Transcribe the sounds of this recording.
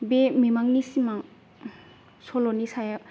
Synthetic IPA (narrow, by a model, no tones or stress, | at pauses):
bememaŋnisimaŋ | sɔlɔnisaja